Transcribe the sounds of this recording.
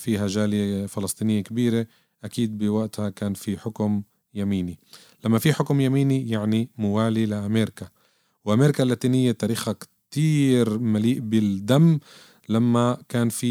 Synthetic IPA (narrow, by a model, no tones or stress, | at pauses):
fiːɦaʒaːljefɪlɑsˤt̪ˤiːnɪjːekabiːɾe | ʔakiːd̪̚bɪwaʔt̪hakaːnfiħʊkm | jamiːni | lamːafiħʊkmjamiːnijaʕnimʊwaːlilɪʔameːɾɪka | wʔameːɾɪkalːaːt̪iːnɪjːet̪ːaːɾiːxhak | t̪iːɾmaliːʔbɪld̪amː | lamːakaːnfi